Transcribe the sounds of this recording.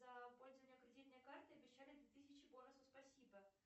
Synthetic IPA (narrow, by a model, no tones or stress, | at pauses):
zɐpo̞lʲzəvənʲɪjəkɾʲɪdʲit̪nəjəkart̪ɨɐbʲɪɕːalʲɪd̪vʲɪt̪ɨsʲɪt͡ɕɪbonəsʊspɐsʲibə